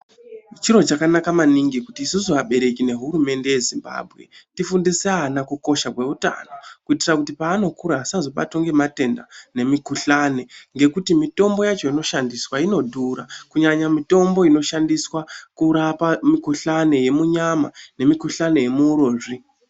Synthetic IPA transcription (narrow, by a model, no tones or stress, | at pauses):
t͡ʃiɾo̞t͡ʃakanakamaniŋɡikutiːsusuaɓe̞ɾe̞kine̞ɦuɾume̞nde̞je̞zimba̰ːbʱɣe̞̰tifundiseanakuko̞ʃakwe̞uta̰no̞kuitirakutipaːno̞kuɾaːsazo̞ɓa̰twoŋɡe̞mate̞nda̰ne̞mikuɬane̞ŋɡe̞kutimito̞mbo̞jat͡ʃo̞ino̞ʃandiswaino̞dʱuɾakuɲaɲamito̞mboino̞ʃandiswakuɾapamikuɬane̞je̞muɲama̰ne̞mikuɬane̞je̞muɾoːʐi